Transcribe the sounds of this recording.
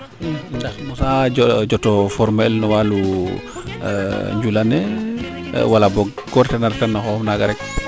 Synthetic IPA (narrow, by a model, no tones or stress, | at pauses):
ndaxmɔsad͡ʒɔd͡ʒɔtɔfɔɾmɛlnɔwalu | ɲd͡ʒulanɛ̰ | walabɔɡɡɔɾtɛnaɾtanːaxɔmnaɡaɾɛk